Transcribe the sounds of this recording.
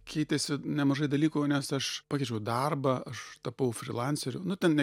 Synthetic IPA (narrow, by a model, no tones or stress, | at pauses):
kʲʰɛɪt̪ʲesʲɪnʲɛmɐʒɐɪd̪ɐlʲiːkuːnʲɛsɐʃpɑːkʲɛɪt͡ʃʲɛʊd̪ɐrbɐɐʃt̪ɐpɐʊfʲɾʲɪ̰lˠɑnʲsʲɛɾʲʊnʊt̪ʲɛnnʲɛ